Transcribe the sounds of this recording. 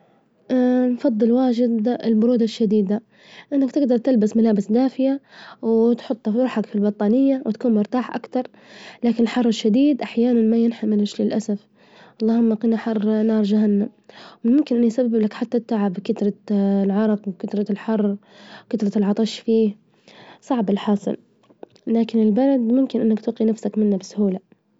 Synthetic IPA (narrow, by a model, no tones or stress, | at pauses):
ʔanfɑðˤːɨlwaːd͡ʒɪd̪ɪlbʊɾuːd̪aʃːad̪iːd̪a | ʔɪnːakt̪ɪɡd̪ɑɾˤt̪ɪlbasmalaːbɪsd̪aːfɪjawt̪ħʊt̪ˤːɑfɾuːħakfilbɑt̪ˤːɑːnɪjːawʔɪt̪kuːnmʊɾt̪aːħʔa̰kt̪ɑɾˤ | laːkɪnɪlħɑrˤːɪʃːad̪iːd̪ʔaħjaːnanmajɪnħamɪlɪʃlilʔasaf | ʔɑlˤːɑːhʊmːaqiːnaħɑrˤːnɑːɾˤd͡ʒahanːamwmʊmkɪnʔɪnːujsabːɪblakħat̪ːat̪ːaʕabkɪt̪ɾˤɑlʕɑɾˤɑqwkɪt̪ɾˤɑlħɑrˤː | kat̪ɾˤɑlʕɑt̪ˤɑʃfiːh | sˤɑʕbɪlħɑːsˤɨ̰l | laːkɪnɪlbalad̪mʊmkɪnʔɪnːakt̪uːqːinafsakmɪnːabɪsʊhuːla